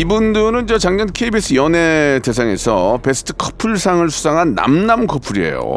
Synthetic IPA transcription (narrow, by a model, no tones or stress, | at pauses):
ibundɯɾɯnd͡ʑʌt͡ɕaŋɲʌnkʰeibis͈ʰɯjʌnete̞s̬ʰaŋe̞̰sʰʌpe̞sʰɯ̥tʰɯ̥kʰʌ̥pʰuɭsʰaŋɯɭsʰu̥sʰaŋɦanːa̰mnamkʰʌpʰuɾie̞̰jo̰